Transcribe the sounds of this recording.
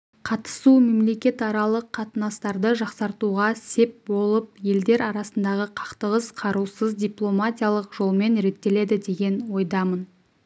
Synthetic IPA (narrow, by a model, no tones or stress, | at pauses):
qʰɑt̪ə̥sume̞mle̞kʲe̞t̪ɑɾɑlˠəqʰːɑt̪ənɑst̪ɑɾd̪əʒɑqsɑɾt̪uʁɑse̞p̚bo̞lˠəp̚je̞ld̪e̞ɾɑɾɑsənd̪ɑʁəqʰɑ̥qt̪əʁəzqʰɑɾusəzd̪ʲiplˠo̞matʲijalˠəqʒo̞lˠme̞nɾe̞t̪ːe̞le̞d̪ɪd̪e̞ɡʲe̞nwo̞jd̪ɑmən